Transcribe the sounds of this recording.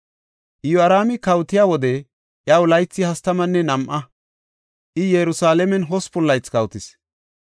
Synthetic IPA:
ʔɪjɔɐɾaːmɪkɐwt̪ɪjaːwɔd̪ɛ | ʔjɐwlɐjt͡sːɪhɐst̪ɐmɐnːɛnɐmʔɐ | ʔɪjɛɾʊsaːlɛmɛnɦɔspʊlːɐjt͡skɐwt̪ɪs

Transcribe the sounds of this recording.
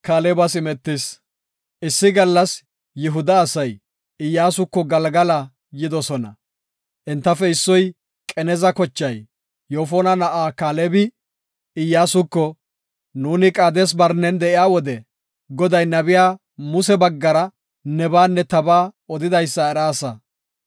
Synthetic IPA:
kaːleːbɐsɪmɛt̪ːɪs | ʔɪsːɪɡɐlːɐs | jɪɦʊd̪ɐːsɐj | ɪjːaːsʊkːɔɡɐlɡɐlɐ | jɪd̪ɔsɔnɐ | ʔɪnt̪ːɐfɛɪsːɔj | kʼɛnɛzɐkɔt͡ʃːɐj | joːfoːnɐnɐʔaːkaːlɛbɪ | ɪjːaːsʊkːɔ | nuːnɪkʼaːd̪ɛs̬bɐɾnɛnd̪ɛʔɪjaːwɔd̪ɛ | ɡɔd̪ɐjnɐbɪjaː | mʊsɛbɐɡːɐɾɐ | nɛbaːnːɛt̪ɐbaːɔd̪ɪd̪ɐjsːɐɛɾaːsɐ

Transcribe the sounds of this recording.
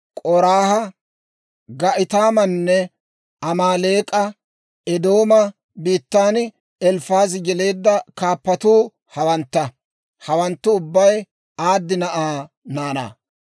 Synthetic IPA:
kʼɔɾaːhɐ | ɡɐʔɪt̪aːmɐnːɛ | ɐmaːleːkʼɐ | ɛd̪o̞ːmɐ | biːt̪ːaːn | ɛlfaːzɪɡɛle̞ːd̪ːɐkaːpːɐt̪uː | hɐwɐnt̪ːɐ | hɐwɐnt̪ːʊʊbːɐj | aːd̪ːɪnɐʔaː | naːna̰ː

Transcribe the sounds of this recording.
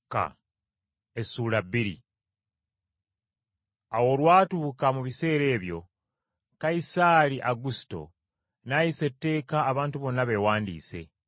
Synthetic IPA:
ka̰ | e̞suːlabːiɾḭ | awo̞ːlwaːtuːkamuβise̞ːɾe̞ːβjo̞ | kaisaɾiʔaɡusto̞̰ | najise̞tːe̞ːkaːβaːntuβo̞nːaβe̞waːndḭːse̞̰

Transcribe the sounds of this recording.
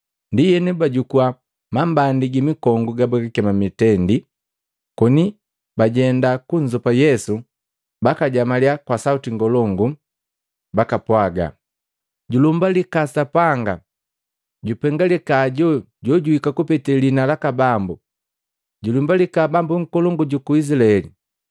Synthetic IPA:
ndijɛnɛbaɟukua | mambandiɡimikɔŋɡuɡabɛkikɛmamitɛndi | kɔni | baɟɛndakuɲzɔpajɛsu | bakaɟamalijakwasautiŋɡɔlɔŋɡu | bakapwaɡa̰ | ɟulumbalikasapaŋɡa | ɟupɛŋɡalɛkaːɟɔ | ɟɔɟuhikakupɛtɛlinalakabambu | ɟulumbalikabambuŋ̩kɔlɔŋɡuɟukuis̬ilaɛlḭ

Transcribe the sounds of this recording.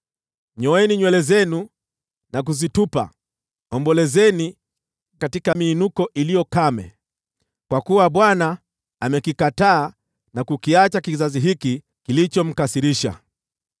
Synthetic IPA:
ɲɔɛniɲwɛlɛzɛnu | nak̬uzitupa̰ | ɔmbɔlɛzɛni | katikamiːnukɔʔilijɔkamɛ̰ | kwakuwaɓwana | amɛkikataː | nakukiat͡ʃakizaziɦiki | kilit͡ʃɔm̩kasiɾiʃa̰

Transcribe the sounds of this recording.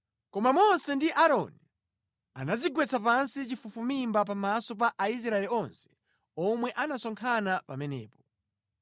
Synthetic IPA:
kɔmamɔnsɛndiʔaɾɔ̰ni | a̰naziɡwɛt͡sʰap̬ansit͡ʃifufumimbap̬amasɔp̬aʔais̬ɾaɛliɔnsɛ̥ | ɔmwɛʔanasɔŋkʰanapamɛnɛ̰ːpɔ̥

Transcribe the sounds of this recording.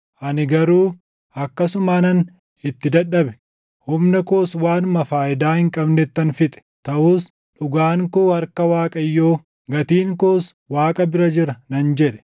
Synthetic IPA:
ʔɐnɪɡɐɾuː | ɐkːɐsʊmaːnɐn | ɪt̪ːɪd̪ɐᶑːɐbɛ̥ | hʊmnɐkoːswaːnmɐfaːʔɪd̪aːhɪŋkʼɐbnɛt̪ːɐnfɪt̪ʼɛ̥t̪ɐʔuːs | ᶑʊɡaːŋkuːhɐɾkɐwaːkʼɐjːoː | ɡɐt̪iːŋkoːs | waːkʼɐbɪɾɐd͡ʒɪɾɐnɐnd͡ʒɛᶑɛ̥

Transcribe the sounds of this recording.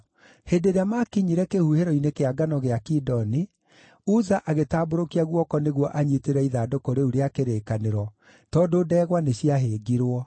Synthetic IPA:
hedeɾeamakiɲiɾɛkehuheɾɔinekeaɡanɔɣeakidɔni | uzaʔaɣetaːboɾokiaɣwɔkɔneɣwɔʔaɲiteɾɛiðadokoɾeuɾeakeɾekaneɾɔ | tɔdoːdɛːɣwaneɕiaɦeːɡiɾwɔ

